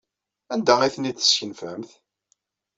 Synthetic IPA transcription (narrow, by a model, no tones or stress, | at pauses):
ænd̪æiθnid̪θə̥sçənfæmθ